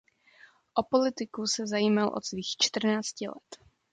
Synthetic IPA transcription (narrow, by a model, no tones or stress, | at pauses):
ʔopo̞lɪt̪ɪkusɛzajiːmalʔot̪sviːxt͡ʃt̪r̩naːt͡scɪlɛ̰t̪